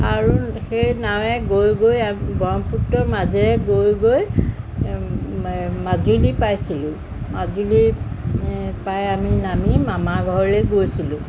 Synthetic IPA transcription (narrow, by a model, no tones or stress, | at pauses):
aɹuxejnawɛɡojɡojabɔmputːɔɹmazɛɹɛɡojɡoj | mazulipajsilʊ̃ | mazuli | pajaminamimamaɡʱɔɹlɛɡojsilʊ̃